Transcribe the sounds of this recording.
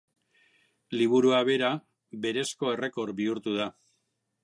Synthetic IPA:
liβ̞uɾuaβe̞ɾa | be̞ɾe̞sko̞e̞re̞ko̞ɾbiuɾt̪uð̞a

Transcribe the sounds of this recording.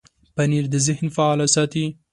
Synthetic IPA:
paniɾd̪əzɪhnfaɑlasɑt̪i

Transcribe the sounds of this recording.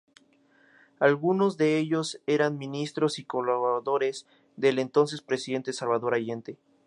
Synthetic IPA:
alɣuno̞zðe̞eʝo̞se̞ɾanmĩnist̪ɾo̞siko̞laβaðo̞ɾe̞z | ðe̞le̞nt̪o̞ns̬e̞spɾe̞siðe̞nt̪esalβaðo̞ɾaʝe̞nt̪e̞

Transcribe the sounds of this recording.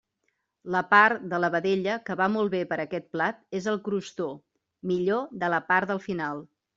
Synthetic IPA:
ləpaɾd̪ələβəðeʎəkəβamɔlˠβepəɾəkɛt̪̚plat̪̚ezəlˠkɾust̪o | miʎoðələpaɾd̪əlˠfinalˠ

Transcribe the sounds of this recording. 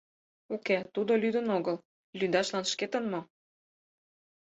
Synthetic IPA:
oket̪ud̪olyd̪ə̆noɣəl | lyd̪ɑʃlɑnʃket̪ə̆nmo

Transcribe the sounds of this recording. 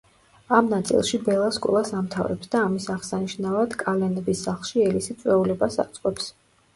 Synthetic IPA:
amnat̪sʼḭlˠʃibɛlˠaskʼɔ̰lˠasamt̪ʰavɾɛ̰psd̪aːmisaʁsaniʃnavad̪̥kʼalɛnɛbisːaχlˠʃiɛlisit̪sʼwɛulɛbasa̰t̪sʼqʼwɛps

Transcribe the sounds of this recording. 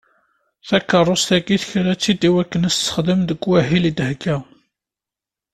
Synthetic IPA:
θækːərˤːost̪æɡiθçɾæt͡sːid̪iwækːənəssə̥χd̪əmðəɡwæɦilid̪hɡæ

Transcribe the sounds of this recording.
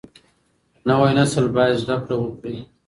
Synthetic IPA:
nawajnasəlbɑjad̪zɖakɽawəkɽi

